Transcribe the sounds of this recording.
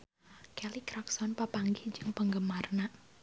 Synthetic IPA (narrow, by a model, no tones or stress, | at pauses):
kɛlikɾaksɔnpəpaŋɡid͡ʒɨŋpəŋɡəmarna